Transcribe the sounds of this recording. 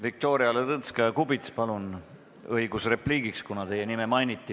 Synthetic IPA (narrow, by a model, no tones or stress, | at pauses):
vik̚t̪o̞ːɾiɑlet̪ɤnskɑjɑkubit̪spɑlun | ɤjɡ̥usre̞pliːɡ̥ikskunɑt̪e̞jenime̞mɑjnit̪ːi